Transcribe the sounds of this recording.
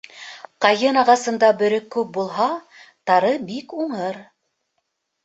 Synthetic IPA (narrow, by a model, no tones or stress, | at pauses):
qɑjɤnɑʁɑsɤ̆nd̪ɑbɵ̆ɾɵkːʉp̚bulˠɦɑ | t̪ɑɾɤbikuɴɤɾ